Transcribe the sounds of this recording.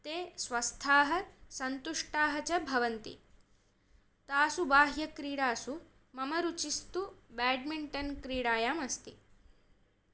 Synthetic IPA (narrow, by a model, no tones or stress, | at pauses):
t̪eːsʋɐst̪ʰaːɦɐsɐnt̪uʂʈaːɦɐt͡ʃɐbʱɐʋɐnt̪ḭ | t̪aːsubaːɦjɐkɾiːɽaːsu | mɐmɐɾut͡ʃist̪ubɛːɖmiɳʈɐnkɾiːɽaːjaːmɐst̪i